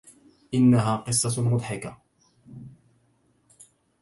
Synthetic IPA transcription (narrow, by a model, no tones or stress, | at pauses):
ʔɪnːaɦaːqɨsˤːɑmʊd̪ˤħɪka